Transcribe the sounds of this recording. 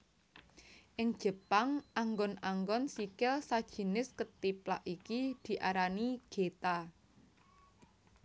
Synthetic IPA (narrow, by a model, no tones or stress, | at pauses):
ʔɪŋd̥ʒ̥ə̤paŋʔaŋɡɔnaŋɡɔnsikɪlsad̥ʒ̥ə̤nɪskət̪ipla̰ʔikid̪̥i̤ʔaɾaniɡ̥et̪a